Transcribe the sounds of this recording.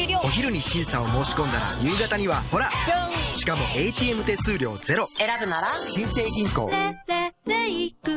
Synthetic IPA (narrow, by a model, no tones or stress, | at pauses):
o̞çiɾɯ̟ɲ̟iɕĩɰ̃sao̞mo̞ːɕi̥kõ̞nd̪aɾa̰jɯ̟ːɡat̪aɲ̟iβaho̞ɾaɕi̥kamo̞ʔe̞it̪ʲiːe̞mɯ̟t̪e̞ːsɨːɾʲo̞ːd͡ze̞ɾo̞e̞ɾabɯ̟naɾaɕĩɰ̃se̞ːɡʲĩŋko̞̰ː | ik